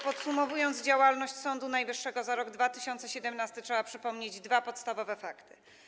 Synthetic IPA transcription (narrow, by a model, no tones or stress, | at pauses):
pɔt̪sumɔvujɔnd̪zd͡ʑawalnɔɕt͡ɕsɔnd̪unajvɘʂːɛɡɔzaɾɔɡd̪vat̪ɘɕɔnt̪sɛɕɛd̪ɛmnast̪ɘtʂɛbapʂɘpɔmɲed͡ʑd̪vapɔt̪st̪avɔvɛfakt̪ɘ̥